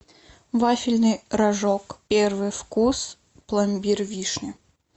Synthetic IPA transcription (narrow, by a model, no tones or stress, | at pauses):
vafʲɪlʲnɨjɾɐʐokpʲervɨjfkus | plˠɐmʲbʲirvʲiʂnʲɪ